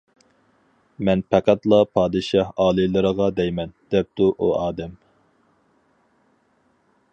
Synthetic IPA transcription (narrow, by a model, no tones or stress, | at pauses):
mɛnpʰæqʰæt̪lˠɑpʰɑːd̪ɨʃɑhɑːlˠɨlˠɨɾəʁɑd̪ɛjmɛnd̪̥ɛp̚t̪uʔuɑːd̪ɛm